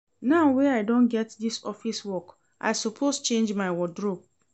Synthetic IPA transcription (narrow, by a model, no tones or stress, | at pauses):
naʊweaɪdõnɡɛtdisɔfiswɔk | ʔa̰ɪsɔpʰost͡ʃẽnd͡ʒmaɪwɔdɹob̚